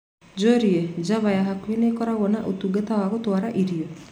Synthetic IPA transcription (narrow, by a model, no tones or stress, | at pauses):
d͡ʒoɾied͡ʒaʋajaɦakujenekɔɾaɡɔnaʔut̪uɡet̪aʋakot̪uaɾaʔiɾijo